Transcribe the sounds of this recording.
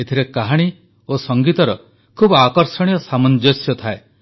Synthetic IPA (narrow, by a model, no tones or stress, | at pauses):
et̪ʰiɾekaɦaɽ̃i | osɔŋɡit̪ɔɾɔ | kʰubakɔɾsɔɽ̃iɔsamɔnd͡ʒɔsjɔt̪ʰae